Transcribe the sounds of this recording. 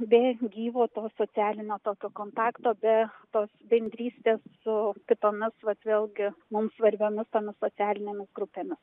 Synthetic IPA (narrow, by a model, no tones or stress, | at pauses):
bʲɛɡʲiːʋoːt̪oːsoːt͡s̪ʲæːlʲɪnʲoːt̪oːkʲoːkoːnt̪ɑːkt̪oːbʲɛt̪oːsbʲɛnʲd̪ʲɾʲiːsʲt̪ʲeːssʊkʲɪt̪oːmʲɪsʋɐt̪ʋʲeːlˠɡʲɪmʊmsʋɐɾʲbʲoːmʲɪst̪oːmʲɪssoːt͡s̪ʲæːlʲɪnʲeːmʲɪsɡɾʊpʲeːmʲɪs